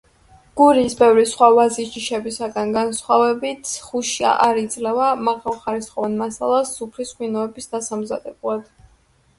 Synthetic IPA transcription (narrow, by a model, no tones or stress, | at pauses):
ɡ̥uɾisbɛvɾisχwavaziʒiʃɛbisaɡanɡansχwavɛbit̪ʰχuʃia̰ʔaɾid̪zʼlɛvamaʁalˠχaɾisχʼɔvanmasa̰lˠasːupʰliskʼwinɔɛbisd̪asamzad̪ɛblˠad̪̥